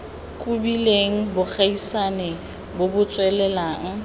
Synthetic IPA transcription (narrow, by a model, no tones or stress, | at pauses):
kʼʊbileŋ̩bʊk͡xaisanɛ | bobʊt͡sʼwɛlɛlaːŋ̩